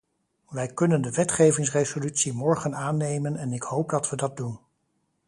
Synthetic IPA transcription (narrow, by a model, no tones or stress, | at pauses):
ʋɛjkɵnəndəʋɛtχejvɪŋs̬rezolytsimɔɹχənaːnejmənɛnɪkɦowp̚dɑtʋədɑt̚dun